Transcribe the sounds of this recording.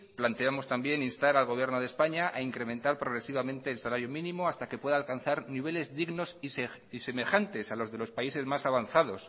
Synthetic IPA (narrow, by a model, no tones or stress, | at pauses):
plant̪e̞amo̞st̪ambje̞ninst̪aɾalɣo̞β̞je̞ɾnoð̞espaɲaʔaiŋkɾe̞mẽnt̪aɾpɾo̞ɣ̞ɾe̞siβ̞amẽ̞nt̪e̞ːlsalaɾjomĩnĩmo̞ast̪akepwe̞ðaːlkan̟θaɾniβ̞e̞le̞zðiɣno̞si | ise̞me̞xant̪e̞salo̞zðe̞lo̞spaise̞zmasaβanθað̞o̞s